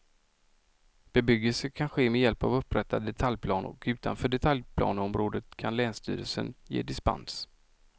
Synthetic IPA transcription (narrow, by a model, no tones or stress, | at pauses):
b̥ɛbʏɡːəlsəkʰanɧeːmɛjɛlpavɵpːɾɛt̪ːad̪ɛt̪ʰaljpʰlɑːnʊ̰ɾkʉ̟ːt̪ʰa̰nfœːɖɛt̪ʰaljpʰlɑ̰ːnɔmɾoːd̪ət̪kʰanlɛːnst̪ʰy̰ːɾəlsə̰njḛːd̪ɪspa̰ns